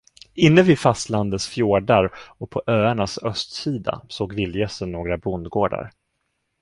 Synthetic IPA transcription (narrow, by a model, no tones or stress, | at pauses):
ɪnːəvɪfast̪land̪ət̪sfjoːɖaɾɔpʰɔʔøːaɳasœst̪siːd̪a̰soːɡvɪljɛsənːoːɡɾabɾʊnd̪ɡoːɖa̰ɾ